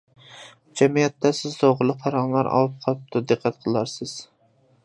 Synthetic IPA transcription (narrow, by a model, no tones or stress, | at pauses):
d͡ʒɛmijɛt̪ːɛsɪzt̪oʁlˠɨpʰɑɾɑŋlˠɑɾɑ̰lˠɨp̚qʰɑlˠɨp̚t̪ʰʊd̪ɨqʰːæt̪̚qʰəlˠɑɾsɨz̥